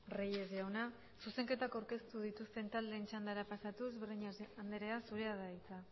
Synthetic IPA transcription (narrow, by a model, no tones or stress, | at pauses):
rejezjawna | suse̞ŋke̞t̪akawɾke̞st̪uð̞it̪ust̪e̞nt̪ald̪e̞ːnt͡ʃand̪aɾapasat̪uezβeɾðiɲaand̪eɾe̞asuɾe̞aðait͡sa